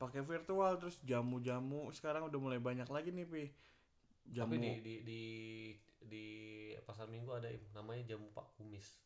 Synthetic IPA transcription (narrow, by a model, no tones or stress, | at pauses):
pakɛfirt̪ualt̪əɾʊsd͡ʒamud͡ʒamusə̥kaɾaŋudahmulajbaɲaklaɡinɪhpɪ | d͡ʒaamiudididi | dipas̬almiŋɡuadaɪ̰mnamaɲad͡ʒamupa̰kumɪs